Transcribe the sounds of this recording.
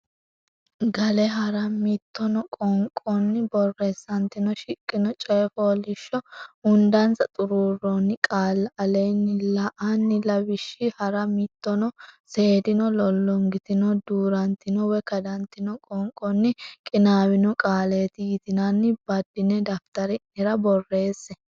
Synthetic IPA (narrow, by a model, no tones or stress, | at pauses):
ɡɐlɛɦɐɾɐmit̪ːɔnɔkʼɔŋkʼɔnːɪbɔrːɛsːɐnt̪ɪnɔʃɪkʼːɪnɔt͡ʃʼeːfoːlɪʃːɔʊnd̪ɐnt͡sɐt̪ʼʊɾuːrːɔnːɪkʼaːlɐɐlɛjnːɪlɐʔanːɪlɐbɪʃːɪhɐɾɐmit̪ːɔnɔseːd̪ɪnɔlɔlːɔŋɡɪt̪ɪnɔd̪uːɾɐnt̪ːɪnɔwɛkɐd̪ɐnt̪ːɪnɔkʼɔŋkʼɔnːɪkʼɪnaːwɪnɔkʼaːleːt̪ɪɡɪt̪ɪnɐnːɪbɐd̪ːɪnɛd̪ɐft̪ɐɾɪnɛɾɐbɔrːe̞ːsːɛ